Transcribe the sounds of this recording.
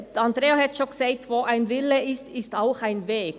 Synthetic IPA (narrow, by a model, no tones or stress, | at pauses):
ɑnd̪ɾeːohɛtt͡ʃokseɪt̪ʋoːʔaɪnvɪləʔɪstɪstaʊxaɪnveːk